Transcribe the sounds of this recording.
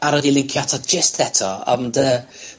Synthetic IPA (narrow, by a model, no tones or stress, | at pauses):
aɾədilˠɪŋkʰjatʰɔd͡ʒəstðɛtʰɔɔ̰ndə